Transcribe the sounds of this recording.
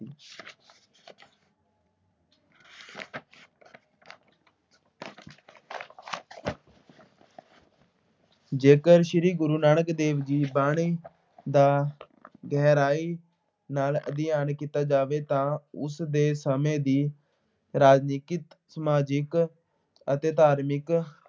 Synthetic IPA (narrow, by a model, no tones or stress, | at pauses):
d͡ʒeːkəɾʃɪɾiːɡʊɾuːnaːɳəkd̪eːʋd͡ʒiːbaːɽiː | d̪aː | ɡɛːɾaːiː | naːlə̰d̪ɪjaːnkiːt̪aːd͡ʒaːʋeːt̪ãːʊ̰sd̪eːsəmẽːd̪iː | ɾaːd͡ʒniːkɪ | səmaːd͡ʒɪk | ət̪eːt̪aːɾmɪk